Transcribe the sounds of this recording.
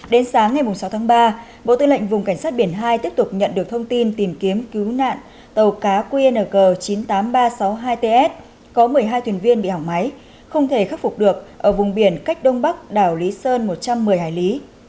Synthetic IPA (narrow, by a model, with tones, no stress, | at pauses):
ɗe˨˦nsaː˨˦ŋːa˨˩jmʊ˨˩ŋ͡msa˨˦wt̪ʰaː˨˦ŋɓaː˧ | ɓo̰˧˨t̪ɨ˧ŋlə̰˧˨jŋ̟vʊ˨˩ŋ͡mka˧˩jŋ̟saː˦˥t̚ɓi˧˩ənɦaː˧jt̪i˦˥əp̚t̪ʊ˨˩k͡p̚ɲə̰˧˨nɗɨ˨˩ək̚t̪ʰə˧wŋ͡mt̪i˧nt̪i˨˩mki˨˦əmki˨˦wna̰ː˧˨n | t̪ə˨˩wkaː˨˦kwi˧ʔe˧nəː˨˩ɣəː˨˩t͡ɕi˨˦nt̪aː˨˦mɓaː˧sa˨˦wɦaː˧jt̪e˧ʔɛ˦˥t̚ | kɔ˨˦mɨ˨˩əjɦaː˧jt̪ʰwi˨˩ənvi˧ənɓḭ˧˨hɔ˨˩k͡p̚ma˨˦j | xə˧wŋ͡mt̪ʰe˧˩xa˦˥t̚fʊ˨˩k͡p̚ɗɨ˨˩ək̚ʔəː˧˩vʊ˨˩ŋ͡mɓi˧˩ənka˦˥k̚ɗə˧wŋ͡mɓa˦˥k̚ɗaː˧˩wli˨˦səː˧nmo˨˩t̚t͡ɕa˧mːɨ˨˩əjɦaː˧˩jli˨˦